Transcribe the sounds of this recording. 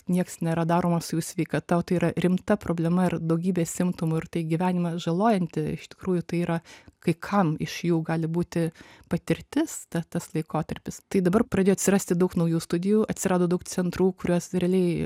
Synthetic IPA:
nʲiɛksnʲeːɾɐd̪ɑːɾoːmɐsʊjuːsʲʋʲɛɪkɐt̪ɐot̪ɐɪiːɾɐrʲɪmt̪ɐpɾoːblʲɛmɐɪrd̪ɐʊɡʲiːbʲeːsʲɪmt̪omʊɪrt̪ɐɪɡʲiʋʲæːnʲɪmɐʒɐlˠoːjɛnʲt̪ʲɪɪʃt̪ʲɪ̥kɾuːjʊt̪ɐɪiːɾɐkɐɪkʰɐmɪʃjuːɡɑːlʲɪbuːt̪ʲɪpɐt̪ʲɪɾʲt̪ʲɪst̪ɐt̪ɐslˠɐɪkoːt̪ɐɾʲpʲɪst̪ɐɪd̪ɐbɐrpɾrɐdʲeːjoːt̪ʲsʲɪɾɐːsʲt̪ʲɪd̪ɐʊknɐʊjuːst̪ʊd̪ʲɪjuːɐt̪ʲsʲɪɾɑːd̪oːd̪ɐʊk̚t͡s̪ʲɛnt̪ɾuːkʊɾʲuɔsɾʲɛɐlʲɛɪ

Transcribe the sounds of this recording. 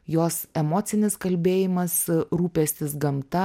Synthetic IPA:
joːsɛmoːt̪sʲɪnʲɪskɐlʲbʲeːjɪmɐsɾuːpʲɛsʲt̪ʲɪsɡɐmt̪ɐ

